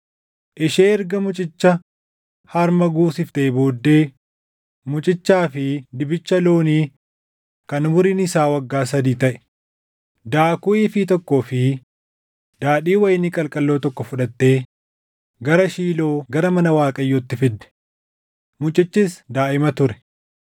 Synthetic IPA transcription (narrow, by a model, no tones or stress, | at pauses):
ʔɪʃeːɛɾɡɐmʊt͡ʃʼɪt͡ʃːɐ | hɐɾmɐɡuːsɪft̪eːboːd̪ːe̞ː | mʊt͡ʃʼɪt͡ʃːaːfɪd̪ɪbɪt͡ʃːɐloːniː | kɐnʊmʊɾiːnɪsaːwɐɡːaːsɐd̪iːt̪ɐʔɛ̥ | d̪aːkʊʔiːfit̪ɔkːo̞ːfɪ | d̪̥aːɗiːwɐjnɪkʼɐlkʼɐlːo̞ːt̪ɔkːɔfʊᶑɐt̪ːe̞ː | ɡɐɾɐʃiːlo̞ːɡɐɾɐmɐnɐwaːkʼɐjːoːt̪ːɪfɪd̪ːɛ̥ | mʊt͡ʃʼɪt͡ʃːɪsd̪aːʔɪmɐt̪ʊɾɛ̥